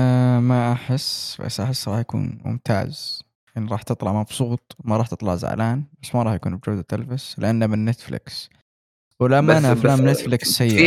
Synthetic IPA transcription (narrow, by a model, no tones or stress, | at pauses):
maʔaħɪsba̰sʔaħɪsːɾˤɑːħjakṵːnmʊ̰mt̪a̰ːz | ʔɪnːɾˤɑːħt̪ɨt̪ˤlɑʕmɑbsˤuːt̪̚ˤmaɾˤɑːħt̪ɨt̪ˤlɑʕza̰ʕlaːnbasːmaɾˤɑːħjakuːnbd͡ʒaːd̪at̪alfaslɪʔanːamɪnːet̪flɪ̰ks | wɪlamːaʔanaʔaflaːmnɪt̪flɪksːajːɪ